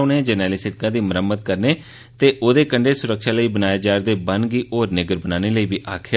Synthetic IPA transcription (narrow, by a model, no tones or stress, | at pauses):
ʊnẽd͡ʒənɛːliːsɪʈ̚kãːd̪iːməɾəmːəd̪̚kəɾneː | t̪eːʔoːd̪eːkəɳɖeːsʊɾəkʃaːləiːbənaːjeːd͡ʒaːɾd̪eːbənɡiːʔoːɾnɪɡəɾbənaːneːləiːbiːʔaːkʰja